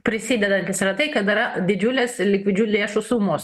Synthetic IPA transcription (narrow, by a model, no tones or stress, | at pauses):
pʲɾʲɪsʲid̪ʲɛd̪ɐnʲt̪ʲɪsʲɾɐt̪ɐɪkɐt̪ɪɾɐd̪ʲɪd͡ʒʲulʲeːslʲɪkʲʋʲɪd͡ʒʲuːlʲeːʃʊsuːmoːs